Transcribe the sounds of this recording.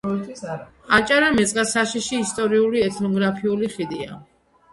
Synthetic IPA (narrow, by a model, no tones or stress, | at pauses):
at͡ʃʼaɾamɛt̪sʼqʼasaʃiʃiːst̪ʼɔɾiuliɛt̪ʰnɔɡɾapʰiuliχid̪ia̰